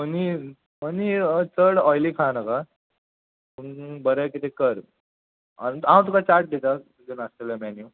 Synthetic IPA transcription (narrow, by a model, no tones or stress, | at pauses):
məni | mənit͡səɽɔjlikʰãnaka | punbəɾɛkit̪ʰekəɾ | aãw̃t̪̬ukat͡ɕaɾʈ̚d̪et̪a | d͡ʑunast̪eljamɛnju